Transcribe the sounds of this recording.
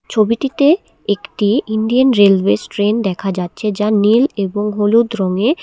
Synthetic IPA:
t͡ɕʰobiʈit̪e | ekʈiinɖianɾelbesʈɾend̪ɛkʰad͡ʑatːɕʰed͡ʑanileboŋɦolud̪ɾɔŋe

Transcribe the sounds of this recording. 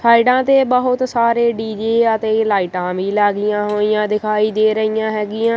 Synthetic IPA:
sʰaːɪɖãːt̪eːbəɦʊt̪saːɾeːɖiːd͡ʒeːət̪eːlaːɪʈãːʋiːlaːɡɪjãːɦoːijãːd̪ɪkʰaːiːd̪eːɾəɦijãːɦɛːɡɪjãː

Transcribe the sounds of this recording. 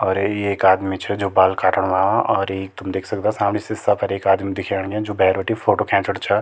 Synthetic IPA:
ɔːɾjeeːkaːd̪mit͡ʃʰɛd͡ʒoːbaːlkaːʈəɽ̃ʋaːʋãʔɔːɾeːt̪ʊmd̪eːkʰsɐk̚t̪eãsaːmnisɪsapɐɾeːkaːd̪mid̪ɪkʰaːɽ̃ɡɛ̃d͡ʒoːbɛːɾʋəʈifʰoːʈoːkʰɛ̃ːɳʈəɽt͡ʃʰɛ

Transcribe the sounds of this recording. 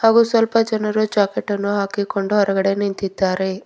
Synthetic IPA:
haːɡusʋɐlpɐd͡ʒɐnɐɾud͡ʒaːkeʈːɐnːuɦaːkikoɳɖuɦɔɾɐɡɐɽe̞nint̪id̪ːaːɾe

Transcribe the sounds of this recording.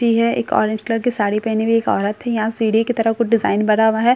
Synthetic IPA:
iɦɛḛːkɔ̰ːɾẽnd͡ʒkləɾkesaːɽepɛɦnebʱieːkɔ̰ːɾət̪ɦɛjɐɦãsiːɽikit̪ɐɾəkʊt͡ʃɖɪzaːɪnbɐɽaːʋaɦɛ

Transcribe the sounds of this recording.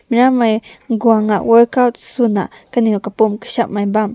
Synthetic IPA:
miɾamajɡuaŋaʔweɾkawt̪sunaʔ | kaniukapumkə̥ʃaʔmajbam

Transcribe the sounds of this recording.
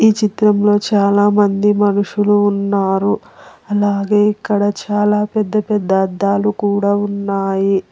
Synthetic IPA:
iːt͡ʃit̪ɾɐmlo̞ːt͡ʃaːlaːmɐnd̪imɐnuʂuluːnːaːɾu | ɐlaːɡe̞ːikːɐɽɐt͡ʃaːlaːpɛd̪ːɐpɛd̪ːɐːd̪ːaːlukuːɽaːunːaːji

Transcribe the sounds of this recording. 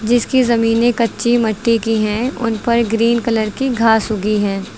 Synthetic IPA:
d͡ʒɪskizɐmiːnekɐtːʃimɐʈːikiɦɛ̃ʊnpɐɾɡɾiːnkɐləɾkiɡʱaːsɦʊɡiɦɛː

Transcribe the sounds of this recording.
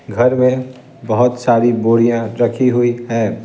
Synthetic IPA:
ɡʱɐɾmẽ | bɐɦʊt̪saːɾiboːɽijãɾɐkʰiɦʊiɦɛː

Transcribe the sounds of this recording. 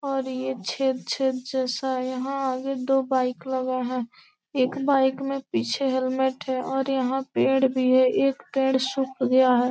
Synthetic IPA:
ɔːɾjet͡ʃʰeːt̪̚t͡ʃʰeːt̪̚d͡ʒɛːsajəɦãaːɡed̪oːbaːɪkləɡeɦɛ̃ː | eːkbaːɪkmẽpiːt͡ʃʰeɦelmeʈɦɛʔɔːɾjəɦãpẽːɽbʱiɦɛʔeːkpẽːɽsʊkʰɡəjaɦɛː

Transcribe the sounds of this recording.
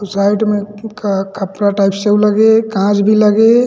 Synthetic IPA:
sajɖmekkʰəpɾaʈaɪpʰseuləɡekãd͡ʒbʱiləɡe

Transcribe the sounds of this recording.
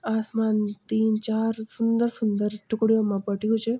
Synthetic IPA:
asmant̪int͡ʃaɾsʊnd̪əɾsʊnd̪əɾʈʊkɽijomãpəʈjũt͡ʃʰe

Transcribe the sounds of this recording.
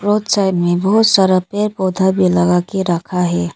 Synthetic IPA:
ɾoːd̪sajʈmẽbəɦʊt̪saːɾəpeɾpoːd̪ʱabʱiləɡakeɾəkʰaɦɛː

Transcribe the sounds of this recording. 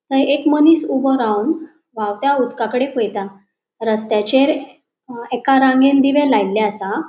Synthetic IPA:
t̪əɾekmənisubəɾawm | ʋawt̪jaud̪kakəɽepəjt̪a | ɾəst̪jat͡ɕeɾ | ɛkaɾãŋɡẽnd̪iʋẽlajlːaəsa

